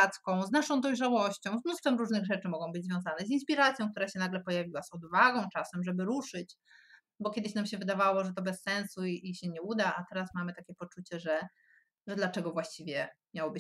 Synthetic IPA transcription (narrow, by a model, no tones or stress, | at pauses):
t̪skɔ̃w̃znaʂɔ̃w̃d̪ɔjʐawɔɕt͡ɕɔ̃w̃zmnust̪fɛmɾuʐnɘɣʐɛt͡ʂɘmɔɡɔ̃w̃bɘd͡ʑzvjɔ̃zanɛzinspʲiɾat̪sʲjɔ̃k̚t̪uɾaɕɛnaɡlɛpɔjavʲiwasɔd̪uvaɡɔ̃w̃t͡ʂasɛmʐɛbɘɾuʂɘt͡ɕ | bɔkʲjɛd̪ɘɕnamɕɛvɘd̪avawɔʐɛt̪̬ɔbɛsːɛnsuiiɕɛɲɛud̪aʔat̪ɛɾasmamɘt̪akʲɛpɔt͡ʂut͡ɕɛʐɛ | ʐɛd̪lat͡ʂɛɡɔvwaɕt͡ɕivʲjɛmʲjawɔbɘ